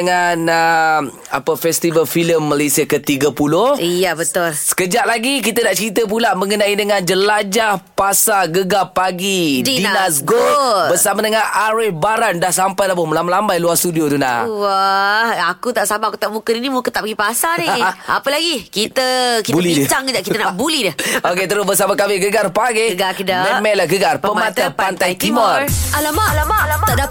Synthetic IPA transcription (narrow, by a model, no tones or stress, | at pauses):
əŋanə | apəfɛst̪ivəlfiləmːalajsiakət̪iɡəpulohijabət̪ʊlsə̥kəd͡ʒaʔ̚laɡik̬it̪ənaʔt͡ʃəɾit̪̬əp̬ulaʔmə̃ŋənãidəŋand͡ʒəlad͡ʒahpasaɡəɡapaɡidiinnasɡobərsamadəŋanʔaɾɪhbaɾandahs̬ampajlap̬əməlamalambajluarst̪udiot̪una̰hwahakut̪aʔsamaakut̪aʔmukəɾinimukət̪aʔpəɡipasanɪa̰pəlaɡikit̪əkitbuəlit͡ʃaŋəd͡ʒaʔkit̪ənabulidəhoket̪əɾʊsbəsamakawɪɡəɡarpaɡɪəɡakidamɛmɛlaɡəɡarppəmmat̪əpant̪ajt̪imɔralamalaat̪ada